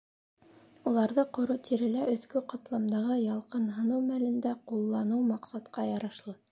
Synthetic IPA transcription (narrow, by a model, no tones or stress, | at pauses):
ulˠɑɾðɤqŏɾot̪ʰiɾɘ̆læʔɵ̆θkɵqɑt̪lˠɑmd̪ɑʁɤjɑlˠqɤnɦɤ̆nɤwmælɘ̆nd̪æqulˠːɑnɤwmɑqsɑt̪qɑjɑɾɑʃlˠɤ